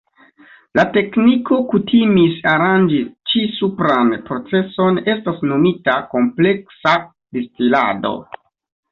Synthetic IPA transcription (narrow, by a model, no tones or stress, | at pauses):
late̞kniko̞kutʰimisaɾand͡ʒit͡ʃisupɾanpɾo̞t͡se̞so̞ne̞stasno̞mitako̞mple̞ksa | destila̰do̞̰